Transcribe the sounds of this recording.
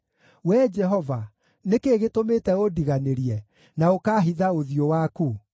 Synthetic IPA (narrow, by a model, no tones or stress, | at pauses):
wɛd͡ʒɛɦɔva | nekeːɣetometɛodiɣaneɾiɛ | naokaːɦiðaoðijowaku